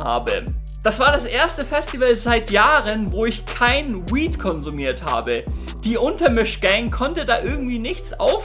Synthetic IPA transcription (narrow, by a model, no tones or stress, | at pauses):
ha̰ːbə̰ | d̥asv̥aːɐɾasʔeːɐstəfɛstivəlzaɪtjaːʁənvoːɪçkʰaɪnwiːtkʰɔnzumiːɐtha̰ːbə | d̥iːʔʊntɐmɪʃɡ̥ɛŋkʰɔntədaːʔɪɐɡŋ̩tv̥iːnɪçt͡sʔa̰ʊf